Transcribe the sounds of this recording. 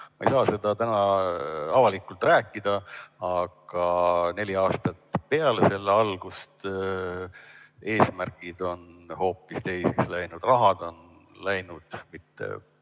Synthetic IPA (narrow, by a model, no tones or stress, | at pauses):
mɑejsɑːse̞d̪̥ɑt̪ænɑɑvɑlikːˑult̪ræːkːˑid̪̥ɑɑɡ̥ɑne̞liɑːst̪ɑt̪pe̞ɑlese̞lːeɑlɡ̥ust̪ | e̞ːsmærɡ̥id̪̥o̞nho̞ːpːˑist̪e̞jsekslæjnud̪̥rɑɦɑd̪̥o̞nlæjnud̪̥mit̪ːe̞̰